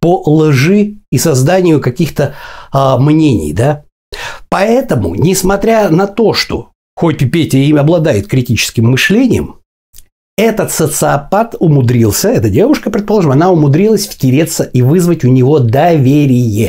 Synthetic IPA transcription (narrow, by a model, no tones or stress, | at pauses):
pəlˠʐɨisɐzd̪anʲɪjʊkɐkʲixt̪ə | mnʲenʲɪ̰jd̪a | pɐɛt̪əmʊ̰nʲɪsmɐt̪ɾʲanɐt̪o̞ʂt̪o̞̰ | xopʲɪpʲetʲɪimɐblˠɐd̪ajɪt̪kɾʲɪtʲit͡ɕɪ̥skʲɪmːɨʂlʲenʲɪjə̰m | ɛt̪ət̪sət̪sɨɐpat̪ʊmʊd̪ɾʲilˠsʲəɛt̪ədʲe̞vʊʂkəpɾʲɪt̪̚pɐlˠoəməɐnaʊmʊd̪ɾʲilˠəsʲfʲtʲɪɾʲe̞t̪sːəʔivɨzvətʲʊnʲɪvo̞d̪ɐvʲeɾʲɪjɪ